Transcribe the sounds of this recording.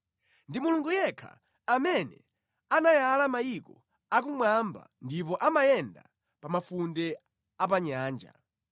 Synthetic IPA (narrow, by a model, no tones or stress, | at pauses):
ndimuluŋɡujɛkʰa̰ | amɛnɛ̰ | anajalamajikɔ | akumwamba̰ndipɔʔamajɛnda̰ | pamafundɛ | ap̬aɲaːnd͡ʒa̰